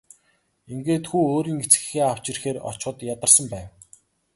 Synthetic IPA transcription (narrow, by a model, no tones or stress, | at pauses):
iŋɡeːt̪xuːoːɾiːŋɡet͡sɡɘ̥̆xeːaw̥t͡ɕĭrxeːɾɔ̰t͡ɕχə̆t̪jat̪ə̆rsə̆mpæːw